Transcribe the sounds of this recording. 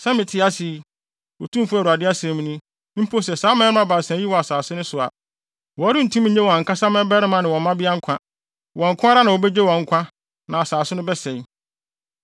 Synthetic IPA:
sɛ̃˦mɪ̃˨tʰɪ˨˦a˦si˨˦ | wo˨tʰũ˦mfʊ˦˨u˨a˨dɪ˦a˦sɛ̃˨mĩ˦nĩ˦ | m̩˦pʰo˦s̬ɛ˨saː˦mɛ̃˦ɪ˦ã˦ba˨sɛ̃˨˦i˦wɔ˨a˨saː˨sʊ˦nʊ̃˦sʊ˨a̰˨ | wɔ˨˦ɾɪ̃˦n̩˨tʰũ˦m˦ɲ̩˦ɲɛ̃˦wɔ˨a˨ŋ̩˨kʰã˦sã˦mɛ̃˦bɛ˦ɾɪ˦mã˨nɪ̃˨wɔ̃˨m˦mã˦bɪ˦a˦ŋ̩˦kʰã˦ | wɔ̃˨ŋ̩˨kʰʊ̃˦a˦ɾa˦nã˨wɔ˨bɛ˦d͡ʑᶣe˦wɔ̃˨ŋ̩˨˦kʷʰã˦ | nã˨a˨saː˨sʊ˦nʊ̃˦bɛ˦sɛ̃˨ɲ˦

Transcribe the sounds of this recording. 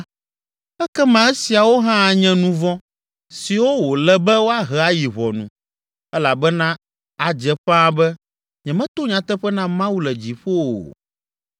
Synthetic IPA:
ɛ˦kɛ˦mã˨ɛ˦si˨a˨wo˦ɦã˦˨ɲɛ̃˦nũ˨vɔ̃˦ | si˨wo˦wo˨lɛ˦bɛ˦wo˦a˦ɦɛ˨a˦ji˨βɔ˨nṵ̃˨ | ɛ˦la˨bɛ˦nã˦ | a˨d͡ʒɛ˨ɸã˦bɛ˦ | ɲɛ̃˨mɛ̃˦t̪o˦ɲã˨t̪ɛ˦ɸɛ˦nã˦mã˦wu˦lɛ˨d͡ʑi˨ɸo̰˦˨

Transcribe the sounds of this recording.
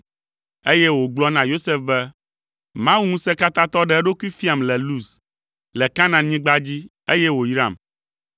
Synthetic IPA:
e˦jɛ˦wo˨ɡ͡blɔ˦nã˨jo˦se˦fbɛ˦ | mã˦wu˦ŋũ˦sɛ˦ka˦t̪ã˦t̪ɔ˦ɖɛ˦ɛ˦ɖo˦ku˦i˦fi˦a˨mlɛ˨lu˦˨s | lɛ˨ka˦nã˨ɲĩ˦ɡ͡ba˦d͡ʑi˦ | e˦jɛ˦wo˨jɾã̰˨m

